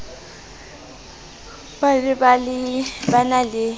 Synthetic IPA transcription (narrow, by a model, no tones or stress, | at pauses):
badɪbalɪbanalɪ